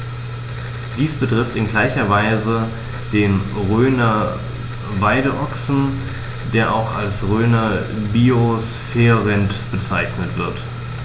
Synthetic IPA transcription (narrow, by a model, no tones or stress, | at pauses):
d̥iːsb̥ətʁ̥ɪftɪnɡlaɪçɐvaɪzə | d̥eːnʁøːnɐ | vaɪdəʔɔksn̩ | d̥eːɐʔa̰ʊxa̰lsʁøːnɐbiosfɛːʁɛntb̥ət͡saɪçnətv̥ɪɐt